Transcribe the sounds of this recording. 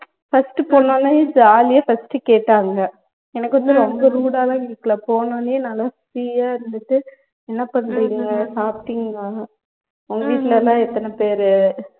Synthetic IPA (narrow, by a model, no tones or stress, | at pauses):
fɐsʈɯpoːɳːõːnaid͡ʒaːlɪjɐfɐsʈːɯkeːʈːaːŋɡɐ | ɛnɐkːɯʋɐnd̪ɯɾɔŋɡɐɾuːɽaːlãːkɪikːɐlɐpoːnoːnenɐlːasɾiːjaːɪɾɯnd̪ɯʈːɯ | ɛnːɐpɐɳɾiŋɡɡɐsaːpɪ̥ʈɪŋɡɐ | ɔŋɡɐʋiːʈːɪlɛlːãːɛt̪ːɐnɐpeːɾɯ